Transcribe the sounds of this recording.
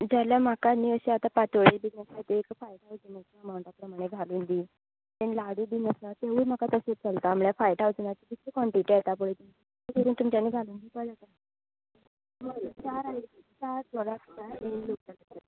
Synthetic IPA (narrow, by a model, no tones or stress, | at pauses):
d͡zaljam̤akaniəɕiat̪apat͡səɭiːlbinəsajt̪eekfajʈawd͡ziməɡt̪amawʈ̪apɾəmaɽ̃eɡʱaluːnd̪iː | t̪enlaɽiːbinəsnat̪eʋuːm̤akat̪əset͡səlt̪aːm̤ɭjafajʈawd͡znat̪ikit̪ːikɔɳʈiʈet̪apəɽet̪im | kəɾuːnt̪umt͡ɕanːiɡʱaluːnd̪iːpəlat̪a | məɽut͡saɾaikt͡sat͡sɔlakʰtaelok̚d͡zalətat̪